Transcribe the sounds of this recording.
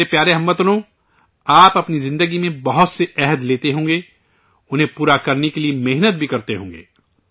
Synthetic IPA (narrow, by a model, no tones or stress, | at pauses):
epjaːɾeɦɐmːət̪nõ | aːpɐpnizɪ̃nd̪əɡimẽbɐɦʊt̪seʔɛɦəd̪leːt̪eɦõːŋ̆ɡeː | ʊnɦẽpuːɾakɐɾnekeliemeɦnət̪̚bʱikɐɾt̪eɦõ̰ːŋɡḛː